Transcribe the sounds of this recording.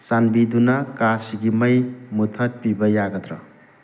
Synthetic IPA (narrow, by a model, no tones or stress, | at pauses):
sanbidunɐkasiɡimɐjmut̪ʰɐt̚pibɐjaɡɐd̪ɾɐ̰